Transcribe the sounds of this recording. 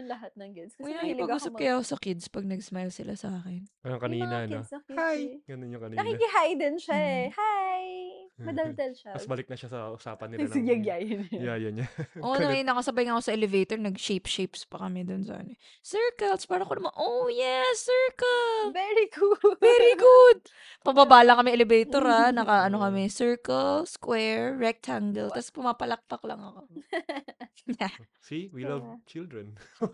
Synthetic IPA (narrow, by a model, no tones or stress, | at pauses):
lɐɦat̪̚nɐŋkɪd̪skmɐjaɪlpɐɡuːsɐbkɐjaɐkosɐkɪd̪spɐɡ̚nɐɡsmajlsɪlʔasɐʔaːkɛnʔɐjokɐiːɐŋnɐkɪdsɐkɪhajɡɐnonjʊŋkɐniːnɐkikɪɦajd̪ɪnʃaɛhajmɐd̪ɐld̪ɐlʃamɐsbɐlɪk̚nɐʃasɐʔʊsa̰ːpɐnːɪlɡɐɡjajɐnjajɐnɲaʔonɐmɐjnɐkosɐbɐjɪŋɐkosɐʔɛlɛvejt̪oɹnɐɡʃejpʃejpspɐkɐmɛd̪onsɐ̰ʔɐ̰nɛ | sɛɹkɐlspaːɾɐkoɐmanʔojɛsɛɹkɐlvɛɾikuvɛɾiɡʊd̪̚ | pɐbabaːlɐkɐmɛʔɛlɛbɛjt̪oɾanɐkaʔɐno̞kɐmɛsɛɹkɐlskwɛɹːɛk̚t̪ʰaŋɡɛlt̪ɐspʊmaːpɐlɐk̚t̪ɐklɐŋɐko̞ | ja | siwilɐvt͡ʃɪld̪ɹɛn